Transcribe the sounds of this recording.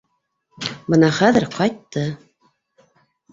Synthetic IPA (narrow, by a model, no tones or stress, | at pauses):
bɤnɑχæðɘɾqɑjt̪ːɤ